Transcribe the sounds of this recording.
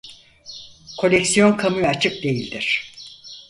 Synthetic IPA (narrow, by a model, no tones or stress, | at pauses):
kʰo̞lʲɛksijo̞nkʰamujat͡ʃʰɯp̚d̪e̞jilʲd̪iɾ̝̥